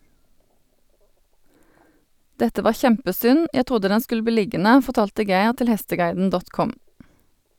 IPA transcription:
ˈdɛtə ˈʋɑː ˈçɛmpəˌsʏn ˈjæ ˈtʁʊdə ˈdɛn ˈskʉl ˈbiː ˈlɪɡənə fɔʁˈtɑːltə ˈɡæɪʁ ˈtɪl ˈhɛstəˌɡɑɪdn̩ ˈdɔt ˈkʊm

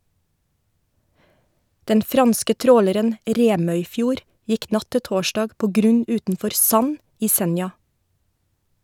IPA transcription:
ˈdɛn ˈfɾɑnskə ˈtɾoːləɾən ˈɾeːmœʏˌfjuːɾ ˈjɪk ˈnɑ ˈtɪ ˈtoːʃɖɑːɡ ˈpoː ˈɡɾʉɲ ˈʉːtn̩ˌfɔɾ ˈsɑn ˈiː ˈsɛnjɑ

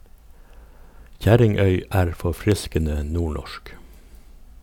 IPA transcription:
ˈçæɾɪŋˌœʏ ˈæːɾ fɔˈfɾɪskənə ˈnuːˌɳɔʃk

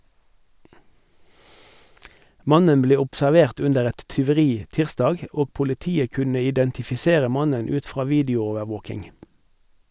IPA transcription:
ˈmɑnən ˈbleː ʊpsæʁˈʋeːʁt ˈʉndəʁ ˈɛt tʏʋəˈʁiː ˈtɪʁsdɑːɡ ˈoː pʊlɪˈtiːə ˈkʉnə ɪdɛntɪfɪˈseːʁə ˈmɑnən ˈʉːt ˈfʁɑː ˈʋiːdɪʊˌoːʋəʁˌʋoːkɪŋ

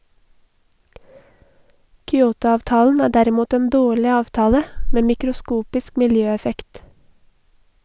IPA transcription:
kʏˈoːtʊˌɑːʋtɑːln̩ ˈæː ˈdæɾɪˌmuːt ˈeːn ˈdoːɭɪ ˈɑːʋtɑːlə ˈmeː mɪkɾʊˈskuːpɪsk mɪlˈjøːɛˌfɛkt

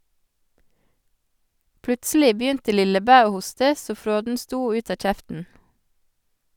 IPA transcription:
ˈplʉtsl̩ɪ ˈbjʏntə ˈlɪləˌbæː ˈoː ˈhʊstə ˈsoː ˈfɾoːdn̩ ˈstuː ˈʉːt ˈɑː ˈc͡çɛftn̩

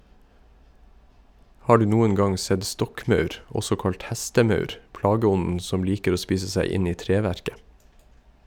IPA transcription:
ˈhɑː ˈɖʉː ˈnuːən ˈɡɑŋ ˈsɛd ˈstɔkˌmɑʉɾ ˈʔɔsɔ ˈkɑlt ˈhɛstəˌmɑʉɾ ˈpɽɑːɡəˌɔnən ˈsɔm ˈliːkəɾ ˈoː ˈspiːsə ˈsæɪ ˈɪn ˈiː ˈtɾeːʋæɾkə

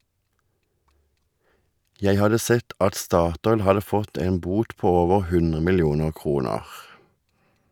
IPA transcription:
ˈjæɪ ˈhɑdə ˈsɛt ˈʔɑt ˈstɑːˌtɔʏl ˈhɑdə ˈfɔt ˈeːn ˈbuːt ˈpoː ˈoːʋəʁ ˈhʉnʁə mɪlˈjuːnəʁ ˈkʁuːnəʁ

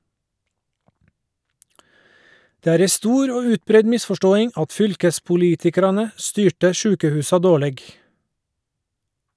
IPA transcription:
ˈdeː ˈæːɾ ˈɛ ˈstuːɾ ˈoː ˈʉːtˌbɾɛɲ ˈmɪsfɔˌʃtoːɪŋ ˈɑt ˈfʏlkəspʊˌliːtɪkɑɾɑnə ˈstyːʈə ˈʃʉːkəhʉːsɑ ˈdoːˌɭeːɡ

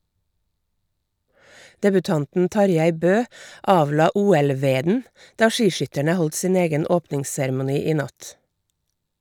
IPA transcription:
dɛbʉˈtɑntn̩ ˈtɑɾˌjæɪ ˈbøː ˈɑːʋˌlɑː ˈuːɛlˌʋeːdn̩ ˈdɑː ˈʃiːˌʃʏtəɳə ˈhɔlt ˈsiːn ˈeːɡən ˈoːpnɪŋssɛɾmʊˌniː ˈiː ˈnɑt

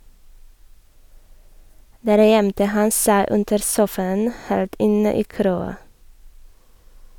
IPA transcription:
ˈdæːɾ ˈjɛmtə ˈhɑn ˈsæɪ ˈʉndəɾ ˈsuːfɑən ˈheːlt ˈɪnə ˈiː ˈkɾoːɑ

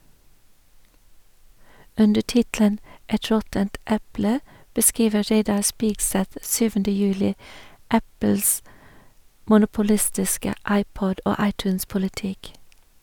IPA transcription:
ˈʉndə ˈʈɪtlən ˈɛt ˈɹɔtənt ˈɛplə bəˈskɹiːʋə ˈɹeɪdɑ ˈspiːɡˌsɛθ ˈsyːʋəndə ˈjʉːlɪ ˈæpl̩s mʊnʊpʊˈlɪstɪskə ˈɑɪˌpɔd ˈoː ˈɑɪˌtʉːnspʊlɪˌtɪk

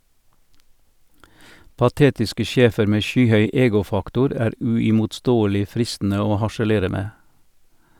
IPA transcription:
pɑˈteːtɪskə ˈʃeːfəɾ ˈmeː ˈʃyːˌhœʏ ˈeːɡʊˌfɑktʊɾ ˈæːɾ ʉɪmʊtˈstoːəlɪ ˈfɾɪstn̩ə ˈoː hɑʃəˈleːɾə ˈmeː

